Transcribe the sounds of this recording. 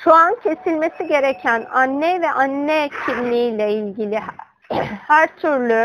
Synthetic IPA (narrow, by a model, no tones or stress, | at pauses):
ʃoancʰe̞silʲme̞siɟe̞ɾecʰænanːɛvɛʔanːɛcʰimlʲiijlʲɛilʲɟilʲi | hæɾt̪ʰyɾlʲy